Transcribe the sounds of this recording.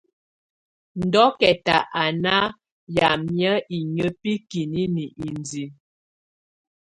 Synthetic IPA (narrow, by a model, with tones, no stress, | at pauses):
n̩˨dɔ˦kɛ˨ta˨ʔa˨na˦ | ja˨mjə˦i˨ɲə˦pi˦ki˨ni˦ni˨ʔi˨nd͡zi˨